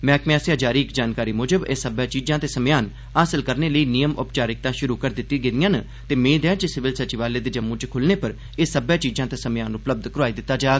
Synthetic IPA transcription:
mɛ̃ːkmɛːsɪjãːd͡ʒaːɾiːɪkd͡ʒaːnkaːɾiːmoːd͡ʒəbeːsəbɛːt͡ʃiːd͡ʒãːt̪eːsəmjaːn | aːsɪlkəɾneːləiːnijəmʊpt͡ʃaːɾɪk̚t̪ãːʃʊɾuːkəɾd̪ɪt̪ːiːɡɪd̪ɪjãːn | t̪eːmẽːd̪eãːt͡ʃəsɪʋɪlsət͡ʃiʋaːleːd̪eːd͡ʒəmːũːt͡ʃkʰʊlneːpəɾ | eːsəbɛːt͡ʃiːzãːt̪eːsəmjaːnʊpləb̚d̪kəɾaːiːd̪ɪt̪ːaːd͡ʒaːɡ

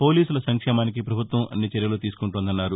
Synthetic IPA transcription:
po̞ːliːsulɐsɐŋkʂɛːmaːnik̬ipɾɐbʱut̪ʋɐmʔɐ̰nːit͡ʃɛɾjɐlut̪iːsu̥kuɳʈuːnd̪ɐnːaːɾu

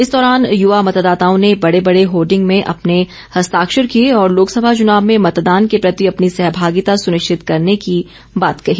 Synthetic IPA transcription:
ɪsd̪ɔːɾaːnjʊʋamɐt̪d̪aːt̪aːõnebɐɽebɐɽeɦoːɾɖɪ̃ŋɡmẽʔɐpne | hɐst̪aːkʃəɾkieɔːɾloːksɐbʱat͡ʃʊnaːbmẽmɐt̪d̪aːnkepɾɐt̪iɐpnisɛɦbʱaːɡɪt̪asʊnɪʃt͡ʃʰɪt̪kɐɾneki | baːt̪kɐɦiː

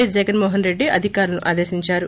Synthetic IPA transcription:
esd͡ʒɛɡɐnmoːɦɐnɾe̞ɖːiɐ̰d̪ʱikaːɾulɐnuʔaːd̪eːʃiɲt͡ʃaːɾu

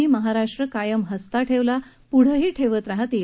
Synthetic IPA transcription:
iːməɦaɾaʂʈɾəkajəmɦəst̪aʈʰeʋla | puɽ̤əɦiːʈʰeʋət̪ɾaɦat̪

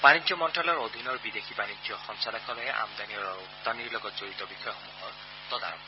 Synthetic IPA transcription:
banid͡ʒɔmɔnʈʰalɔɾod̪ʱinɔɹbid̪ekʰibanid͡ʒjɔxɔŋsalakʰɔlɔeʔa̰md̪aniɔɾɔ | t̪aniɾlɔɡɔt̪zoɾit̪ɔbixʰɔjɔxomuɦɔɹ | t̪ɔd̪a̰ɾɔ̰m

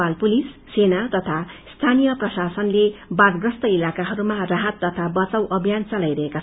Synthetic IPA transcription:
alpulisːenat̪ʌt̪ʰast̪ʰanijʌprʌsasʌnlebarɡrʌst̪ʌilakaɦʌɾumaraɦʌt̪ːʌt̪ʰabʌt͡sʌwʔʌbʱjant͡sʌlajɾʌɦeka

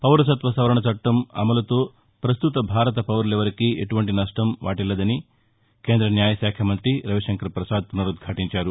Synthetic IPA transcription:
pɐʋɾɐsɐt̪ʋɐsɐʋɐɾɐɳɐt͡ʃɐʈːɐmɐ̰mɐlɐt̪oː | pɾɐst̪ut̪ɐbʱaːɾɐt̪ɐpɐʋɐɾleʋɐɾɐkieʈuʋɐɳʈinɐʂʈɐmʋa̰ːʈilːɐd̪ɐni | keːnd̪ɾɐnjaːjɐʃaːkʰjɐmɐnt̪ɾiɾɐʋiʃɐŋkɐɾpɾɐsaːd̪̚punɐɾud̪̚ɡʱaːʈiɲt͡ʃaːɾu

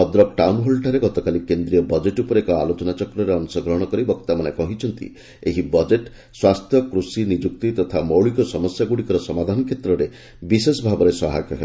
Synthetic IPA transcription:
ɔd̪ɾɔk̚ʈawmɦolʈaɾeɡɔt̪ɔkalikend̪ɾijɔbɔd͡ʒeʈupɔɾekɔa̰lot͡ʃɔnat͡ʃɔkɾɔɾeɔnsɔɡɾɔɦɽ̃ɔkɔɾibɔkt̪amanekɔɦit͡ʃʰɔnt̪ḭ | eɦibɔd͡ʒeʈ | swast̪ʰjɔkɾusinid͡ʒuk̚t̪it̪ɔt̪ʰamowɭikɔsɔmɔsjaɡuɽikɔɾɔsɔmad̪ʱanɔkʰjet̪ɾɔɾe | bisesɔbʱabɔɾesɔɦa̰kɔɦḛ

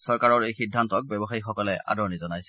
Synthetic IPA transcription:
sɔɹkaɹɔɹejxidʱːantɔk̚bɛbɔxaixɔkɔlɛʔa̰dɔɹnizɔnajsɛ̥

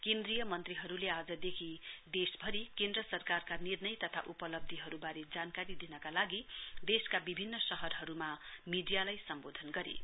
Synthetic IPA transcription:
kend̪rijʌmʌnt̪riɦʌɾulead͡zʌd̪ekʰid̪esbʱʌɾikẽnd̪rʌsʌrkarkanirnʌjt̪ʌt̪ʰa̰ʔupʌlʌb̚d̪ʱiɦʌɾubaɾed͡zankaɾid̪inʌkalaɡid̪eskabibʱinːʌsʌɦʌrɦʌɾumamiɖijalajsʌmbod̪ʱʌnɡʌɾḛ

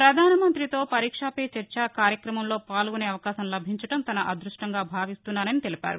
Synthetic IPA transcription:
pɾɐd̪ʱaːnɐmɐnt̪ɾit̪o̞ːpɐɾiːkʂaːpeːt͡ʃɐɾt͡ʃɐkaːɾjɐkɾɐmɐmlo̞ːpaːlɡuneːɐʋɐkaːsɐmlɐbʱiɲt͡ʃɐʈɐmt̪ɐnɐʔɐd̪ɾuʂʈɐŋɡaːbʱaːʋist̪unːaːɾɐnit̪e̞lipʲa̰ːɾu

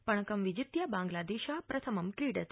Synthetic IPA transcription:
pəɳ̃əkəmʋid͡ʒɪt̪jabãŋɡlad̪iʃapɾʔət̪ʰəməmkɾiɖət̪

